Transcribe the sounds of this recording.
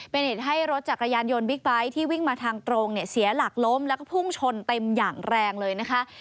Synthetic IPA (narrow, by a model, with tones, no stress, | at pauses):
pe˧nhe˨˩t̪̚ɦa˥˩jɾo˦˥t̪̚t͡ɕa˨˩kɾa˧jaː˧njo˧nbi˦˥k̚ba˦˥jt̪ʰiː˥˩wi˥˩ŋmaː˧t̪ʰaː˧ŋt̪ɾoː˧ŋni˥˩ɐsi˩˦ɐla˨˩k̚lo˦˥mlɛ˦˥kɔ˥˩pʰu˥˩ŋt͡ɕʰo˧nt̪e˧mjaː˨˩ŋɾɛː˧ŋlɤː˧jna˦˥kʰa˦˥ʔ